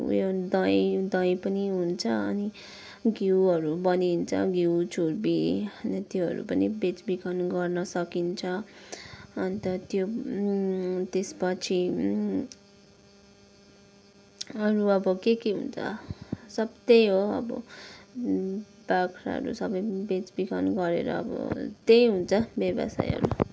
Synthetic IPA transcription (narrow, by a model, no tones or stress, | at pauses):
jod̪ʌjd̪ʌjpʌniɦunt͡sʰʌʌni | ɡiwʌɾubʌnint͡sʰʌ̰ɡiwt͡sʰuɾbiʌnt̪joɦʌ̰ɾṵpʌnibet͡sbikʰʌnɡʌrnʌsʌkint͡sʰʌː | nit̪ʌt̪jo | t̪espʌt͡sʰi | ʌɾuʌbʌkekeɦṵnt͡sʰʌ̰sʌbt̪ejɦoʌ̰bʌ̰ | bakʰɾa̰ɦʌ̰ɾṵsʌbʌjbet͡sbikʰʌnɡʌɾḛɾʌ̰ʌ̰bʌ̰t̪ejɦunt͡sʰʌbjʌbʌ̰sa̰jɦʌ̰ɾu